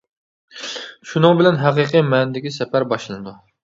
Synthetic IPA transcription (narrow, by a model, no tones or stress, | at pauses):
ʃunɨŋbɪlɛnɦæqəqɨmɛnd̪ɪkʲisɛpæɾbɑʃlˠɨnɨd̪u